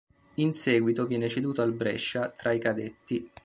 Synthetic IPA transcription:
insɛːɡwit̪ovjɛːnet͡ʃed̪uːt̪oalbɾɛ̰ʃːat̪ɾaikad̪et̪ːi

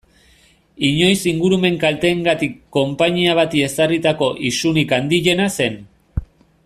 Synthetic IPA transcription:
iɲo̞jsiŋɡuɾume̞ŋkalt̪e̞ːŋɡat̪ikːo̞mpaɲiaβ̞at̪ie̞sarit̪ako̞ʔisunikand̪iʎe̞nase̞n

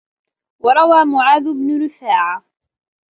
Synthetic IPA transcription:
wɑɾˤɑwaːmʊʕaːðʊbnʊɾɪfaːʕa

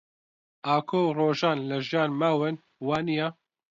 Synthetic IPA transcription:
ʔaːkʰoːroːʒaːnlɐʒijaːnmaːwɨn | waːnija

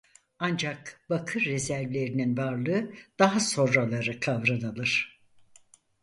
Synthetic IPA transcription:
and͡ʒakbakʰɯɾːezæɾvlʲe̞ɾininvaɾlˠɯɯd̪̥aɦaso̞nɾalˠaɾɯkʰavɾanalˠɯɾ̥

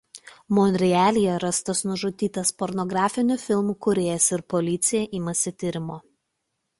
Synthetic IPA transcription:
mɔnʲɾʲɪæːlʲɪjɛɾɐst̪ɐsnʊʒʊt̪ʲiːt̪ɐspɔɾnɔɡɾɑːfʲɪnʲʊfʲɪlˠmuːkʊɾʲeːjɛsɪɾpɔlʲɪt̪sʲɪjɛʔiːmɐsʲɪt̪ʲɪɾʲɪmoː

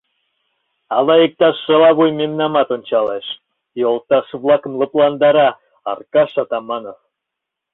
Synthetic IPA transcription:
ɑlɑek̚t̪ɑʃːɤ̆lɑβujmemnɑmɑt̪onʲt͡ɕɑleʃ | jolˠt̪ɑʃβlˠɑkə̆mlˠɤ̆plˠɑnd̪ɑɾɑ | ɑ̰rkɑʃɑt̪ɑmɑno

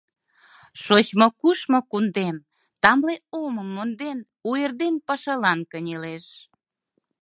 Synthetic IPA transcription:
ʃot͡ɕmokuʃmŏkund̪em | t̪ɑmleoməmːond̪en | uerd̪enpɑʃɑlɑnkənʲeleʃ

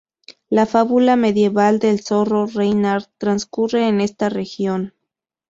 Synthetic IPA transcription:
lafaβulame̞ðje̞βald̪e̞lso̞rorejnaɾt̪ɾanskure̞ːne̞st̪are̞xjo̞n

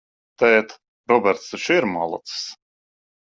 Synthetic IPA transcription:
t̪ɛjɛt̪ | ɾɔbʲɛɾt̪sɛʃiɾma̰lˠɔ̰t̪ss

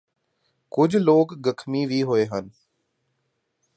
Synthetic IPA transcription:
kʊd͡ʑʱloːkɡəkʰmiʋiɦoeɦən

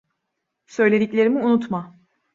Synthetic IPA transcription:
sø̞jlʲe̞d̪iclʲe̞ɾimiunut̪ma

